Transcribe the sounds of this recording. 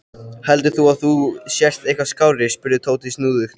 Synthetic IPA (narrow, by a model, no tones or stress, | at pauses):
hɛlt̪ʏθuaðθusjɛr̥t̪ejhkvaskaːwɾɪɾ̥spʏɾðɪt̪ʰoːwt̪ʰisnuːðʏxt̪